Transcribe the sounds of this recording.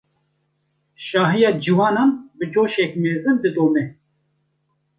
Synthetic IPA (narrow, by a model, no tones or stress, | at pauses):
ʃɑːɦijɑːd͡ʒiwɑːnɑːnbɨd͡ʒoːʃɛk̚meːzɨnd̪ɨd̪oːmɛ